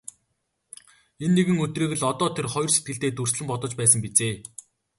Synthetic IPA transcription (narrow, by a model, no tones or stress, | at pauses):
enːeɣɘ̆ŋɵt̪riːɣɘ̆ɮɔt̪ɔːt̪ʰerχɔjɞ̆rset̪ɡɘ̆ɮt̪eːt̪ursɮɘ̆mpɔt̪ɞ̆t͡ɕpæːsə̆mpit͡seː